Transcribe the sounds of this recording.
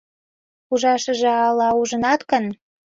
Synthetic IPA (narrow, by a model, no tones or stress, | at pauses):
uʒɑʃə̆ʒĕɑlːɑuʒə̆nɑt̪kən